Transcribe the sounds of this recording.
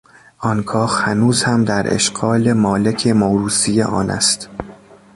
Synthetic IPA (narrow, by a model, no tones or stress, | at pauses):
ʔɒnkʰɒːhhænuːzhæmd̪æɾʔḛʃɡ̥ɒːle̞mɒːle̞cʰemoɾuːsijeʔɒ̰ːnʔæ̰st̪